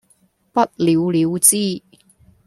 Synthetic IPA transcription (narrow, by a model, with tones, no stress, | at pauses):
pɐ˥t̚li˨˧wliː˨˧wt͡siː˥